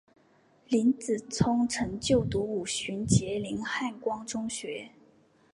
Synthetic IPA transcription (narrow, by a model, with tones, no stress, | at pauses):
li˧˥nt͡sɹ̩˨˩t͡sʰʊ˥ŋʈ͡ʂʰɤ˧˥ŋt͡ɕjo˥˩ʊt̪u˧˥u˨˩ɕy˧˥nt͡ɕjɛ˧˥li˧˥nxa˥˩nkwɑ˥ŋʈ͡ʂʊ˥ŋɕɥɛ˧˥